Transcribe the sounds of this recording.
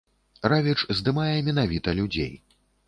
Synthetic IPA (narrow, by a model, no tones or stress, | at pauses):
ravʲit͡ʂzd̪ɨmajɛmʲɛnavʲit̪ɐlʲud͡zʲḛj